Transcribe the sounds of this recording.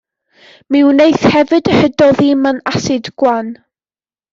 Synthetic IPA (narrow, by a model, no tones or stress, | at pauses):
mɪwnejθhɛvɨdəhədɔðimanasɪdɡ̥wan